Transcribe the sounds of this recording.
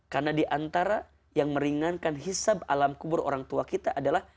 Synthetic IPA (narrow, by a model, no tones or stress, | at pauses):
karnadiʔant̪aɾa | jaŋməɾiŋankanɦisaba̰lamkubʊɾo̰ɾaŋt̪uakit̪aʔadalah